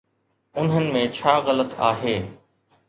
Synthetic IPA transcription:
ʊnɦənɪ̆mẽt͡ɕʰaːɣələt̪a̰ːɦeː

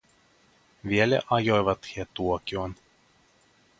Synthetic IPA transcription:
ʋielḛʔɑjojʋɑt̪hiet̪uokʲuɑn

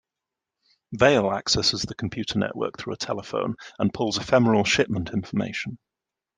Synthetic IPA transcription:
veɪla̰ksɛsɪzðəkʰə̃mpʰj̥ʉˑtʰənɛ̰ʔwɜ̰ˑk̚θɹṵːətʰɛlɪfə̰̃ʊ̃nə̃npʰʊlˠzəfɛməɹəlˠʃɪʔmə̃ntʰɪ̃ɱfəmḛɪʃə̃n

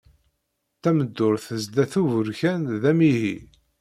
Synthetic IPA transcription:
t̪ːæməd̪ːʊɾθəzd̪æθuvəɾçænðæmiɦḭ

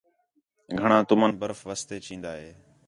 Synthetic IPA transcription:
ɡʱəɳ̃ãːt̪ʊmənbəɾfʋəst̪eːt͡ʃĩːnd̪aːɦeː

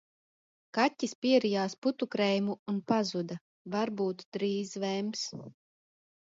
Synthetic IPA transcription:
katʲːispʲiɛɾijaːsput̪ukɾɛjmuːnpazud̪a | vaɾbuːt̪d̪̥ɾiːzvɛms

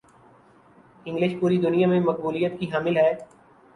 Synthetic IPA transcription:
ɪ̃ŋɡlɪʃpuːɾid̪ʊnijamẽmɐk̚buːlijət̪̚kiɦaːmɪlɦɛː

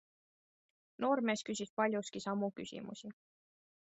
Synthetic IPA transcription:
no̞ːɾme̞ːskysispɑlʲjuskisɑmːuky̰sḭmṵsi

